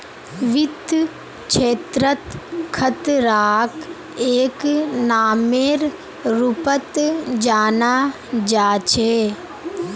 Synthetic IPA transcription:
ʋɪt̪ː | t͡ʃʰeːt̪ɾət̪kʰət̪ɾaːk | eːknaːmeːɾ | ɾupət̪d͡ʒaːnaː | d͡ʒaːt͡ʃʰeː

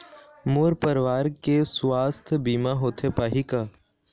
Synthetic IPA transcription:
moːɾpəɾʋaːɾkeswaːst̪ʰbiːmaɦoːt̪ʰepaːɦikaː

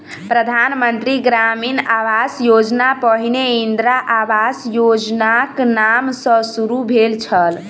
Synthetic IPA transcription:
pɾəd̪ʱanmənt̪ɾiɡɾaminaʋasjod͡ʒnapəɦineind̪ɾaʔaʋasjod͡ʒnaknamsə̃suɾubʱelt͡ʃʰəl

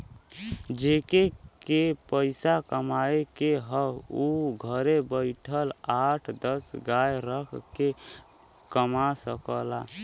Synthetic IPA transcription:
d͡ʒekekepəɪsakəmaekeɦəuɡʱəɾebəɪʈʰəlaʈʰd̪əsɡajɾəkʰke | kəmasəkəla

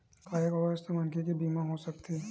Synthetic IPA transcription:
kaːjekɔst̪emɐnkʰek̬ibiːmãɦosɐk̚t̪ʰiː

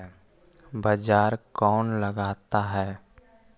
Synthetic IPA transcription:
bəd͡ʒaːɾkɔːnləɡaːt̪aɦɛː

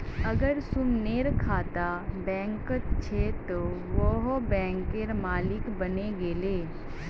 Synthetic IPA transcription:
ɐɡəɾsʊmneːɾkʰaːt̪abɛ̃ːŋkət̪t͡ʃʰet̪oʋoɦobɛ̃ːŋkeɾmaːlɪkbɐneɡeːleː

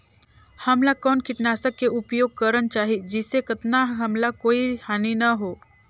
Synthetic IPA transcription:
hɐmlakɔːnkɪʈnaːsəkːeʊpjoːɡ̚kɐɾənt͡ʃaːɦiid͡ʒɪsːekɐt̪naɦɐmlakoːihaːninɐɦoː

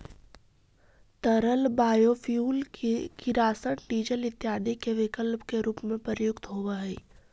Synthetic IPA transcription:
t̪əɾəlbaːjofʰjuːlkiɾaːsəɽɖiːd͡ʒəlɪt̪jaːd̪ikeʋɪkəlpkeɾuːpmẽpəɾjʊkt̪ɦoːʋaɦɛː

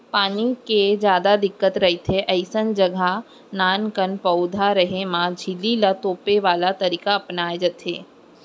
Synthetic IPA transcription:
paːniked͡ʒjaːd̪ad̪ɪkːət̪ɾəɦit̪ʰeʔɐɪsənd͡ʒəɡʱa | naːnkənpəwd̪ʱaɾəɦemãd͡ʒʱɪlilat̪oːpeʋaːlat̪əɾiːkaəpnaːjd͡ʒət̪ʰḛː

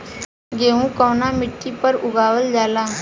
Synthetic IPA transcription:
ɡeːũkɔʋnamɪʈʰːipəɾʊɡaːʋəld͡ʒaːlaː

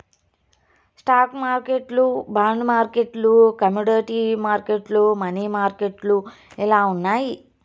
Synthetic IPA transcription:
sʈaːkmaːɾkeʈlubaːɳɖmaːɾkeʈlukɐmuɽɐːʈimaːɾkeʈlumɐniːmaːɾkeʈlu | ilaːunːaːji

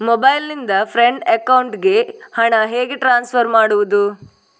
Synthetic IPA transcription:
mobɐjlːind̪ɐpʰɾeɳɖekɐwɳʈɡe̞hɐɳɐɦe̞ːɡeʈɾaːnspʰɐɾmaːɽuʋud̪u

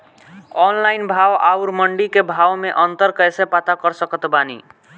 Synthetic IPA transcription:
ɔnlainbʱawauɾməɳɖikebʱawmeʔənt̪əɾkəjsepat̪akəɾsəkət̪banḭ

